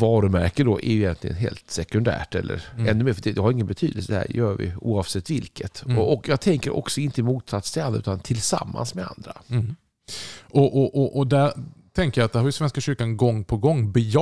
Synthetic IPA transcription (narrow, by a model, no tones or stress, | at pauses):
vɑːɾɵmæɾkəd̪ɔʔæ̰jʏjɛnt̪ʰlɪɡə̰nɦḛːlt̪sɛkɵnd̪æ̰ːʈɛlːə̰ɾɛnːɵmeːfdɛd̪ɛhaɾɪŋːənbɛt̪ʰy̰ːd̪əlsəəhæ̰ːɾjœːɾvɪ̰uːɑːvsɛt̪ːvɪlkʰət̪ɔʔɔkjɑːɡ̚t̪ʰɛŋkəɾʔɔ̰ksɔɪnt̪əɪmuːt̪sat̪sɪand̪ɾaʉːt̪ant̪ʰɪlsa̰mːa̰nsmɛa̰nd̪ɾa | ʔɔʔɔʔɔʔɔd̪æɾt̪ʰɛŋkəjɑat̪̚d̪ɛɾhaɾjɵsvɛnskaɕʏɾkanɡɔŋːpʰɔɡɔŋːbɛj